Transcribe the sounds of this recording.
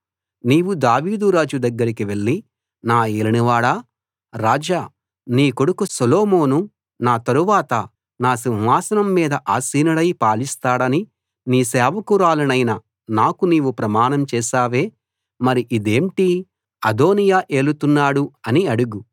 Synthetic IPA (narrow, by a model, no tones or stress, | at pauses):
niːʋud̪aːʋiːd̪uɾaːd͡ʒud̪ɐɡːɐɾikiʋe̞ɭːi | naːeːliniʋaːɽaː | ɾaːd͡ʒaː | niːkoɽukusoloːmo̞ːnu | naːt̪ɐɾuʋaːt̪ɐ | naːsinɦaːsɐnɐmːiːd̪ɐʔaːsiːnɐɽɐjpaːlist̪aːɽɐni | niːsɛːʋɐkuɾaːlɐnɐjnɐ | naːkuniːʋupɾɐmaːnɐmt͡ʃɛːʃaːʋe̞ː | mɐɾiʔid̪eːɳʈi | ɐd̪o̞ːnijaːʔe̞ːɭut̪unːaːɽuɐniɐɽuɡu